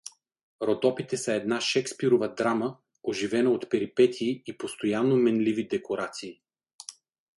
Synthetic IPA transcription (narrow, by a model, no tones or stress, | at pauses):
ɾod̪ɔpit̪ɛsəɛd̪naʃɛkspiɾovəd̪ɾamə | oʒivɛnəot̪pɛɾipɛt̪ʰiːipost̪ojanːomɛnlivid̪ɛkoɾat̪siː